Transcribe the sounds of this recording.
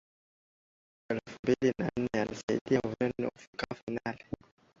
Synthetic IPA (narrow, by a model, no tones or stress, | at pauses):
ɛlfumbilina̰n̩nɛalisaḭɗijauvɛnɛ̰ufukafajnalɛ